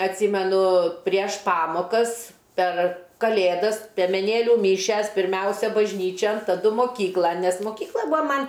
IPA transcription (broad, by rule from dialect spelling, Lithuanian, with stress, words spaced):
ɐtʲˈsʲiːmʲɛnʊ pʲrʲiɛʃ ˈpɑːmoːkɐs pʲɛr kɐˈlʲeːdɐs pʲiɛmʲɛˈnʲeːlʲʊ ˈmʲiːʃʲɛs pʲɪrʲˈmʲɛʊsʲɛ bɐʒʲˈnʲiːt͡ʃʲɛn tɐˈdʊ moːˈkʲiːklˠɐn nʲɛs moːˈkʲiːklˠɐ ˈbʊɐ ˈmɐnʲ